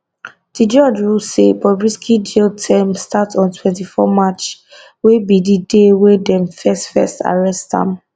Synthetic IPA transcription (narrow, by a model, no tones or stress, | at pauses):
d̥id͡ʒɔd͡ʒɹusebɔbɹiskʰidiltʰɛmstatɔ̃ntʰwɛ̃ntifɔ̰mat͡ʃ | webididewedɛ̃mfɛstfɛsta̰ɹɛsttã̰m